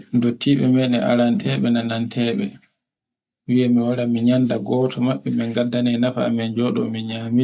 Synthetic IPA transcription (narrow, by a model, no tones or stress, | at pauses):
ndotʰːiɓɛmɛnɛʔa̰ɾantʰɛɓɛnanantʰɛːɓɛ | wijamiwaɾamiɲandaɡɔːtʰɔmaɓːɛmɛŋɡadːanɛnafa̰ːmɛnd͡ʒɔɗɔ̰miɲami